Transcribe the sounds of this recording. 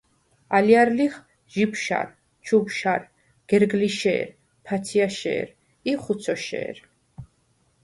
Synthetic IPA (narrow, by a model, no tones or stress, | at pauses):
aliaɾliχ | ʒipʃa̰ɾ | t͡ʃʰupʃaɾ | ɡ̥ɛɾɡliʃɛ̰ːɾ | pʰat̪sʰiaʃɛ̰ːɾ | iχut̪sʰɔʃɛ̰ːɾ